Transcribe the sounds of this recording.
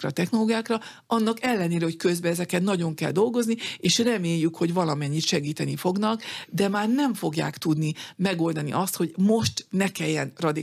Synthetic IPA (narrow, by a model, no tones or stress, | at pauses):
ɾɛt̪ɛxno̞loːɡijaːkrɒ | ɒnːɒkɛlːɛneːɾɛho̞ckø̞zbɛɛzɛkɛt̪nɒɟo̞ŋkɛ̰ld̪o̞lɡo̞znieːʃrɛmeːjːykho̞ɟvɒlɒmɛɲːit̪ʃɛɡiːt̪ɛnifo̞ɡnɒkd̪ɛmaːrnɛɱfo̞ɡja̰ːkt̪ud̪nimɛɡo̞ld̪ɒnḭʔɒst̪ho̞ɟmo̞ʃt̪nɛkɛjːɛnrɒd̪i